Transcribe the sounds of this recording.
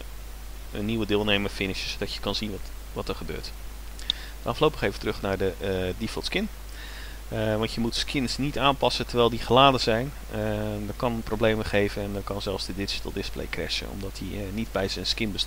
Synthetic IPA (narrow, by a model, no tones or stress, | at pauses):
ə̰nːiwədɪːlˠnejməɹfɪnɪʃəsodɑtjə̥kɑnzinʋt | ʋɑtəɹχəbø̰ːɹt | ɑflowpəχejvətərɵχnaːɹdədifəlˠtskɪn | ʋɑntjəmutskʰɪnsnitaːnpɑsətəɹʋɛjlˠdiχəlaːdəzɛjn | dɔtkɑnəprowblejməχejvənɛndɔkɑnzɛlˠfsdədɪd͡ʒətəlˠdɪsplḛjkrɛ̰ʃə̰nɔ̰mdɑtdinidbɛjzənskɪnbəst